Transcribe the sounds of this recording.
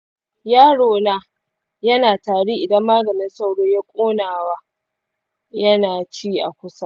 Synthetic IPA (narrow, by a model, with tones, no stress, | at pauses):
jaː˦ɽoː˨naː˦ | jɐ˦naː˨taː˨ɽi˦ʔɪ˨dɐ˦mːaː˦ɡɐ˨nɪ˦nsa˦wɽoː˦jaː˦kʷʼoː˦naː˨waː˦ | jɐ˦naː˨t͡ʃiː˦ʔa̰˨kʷʊ˦sa˦